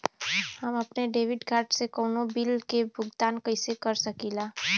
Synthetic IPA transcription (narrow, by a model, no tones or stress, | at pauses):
həməpneɖeʋiɖkaɾɖsekəʊnobilkebʱʊɡd̪ankəɪsekəɾsəkila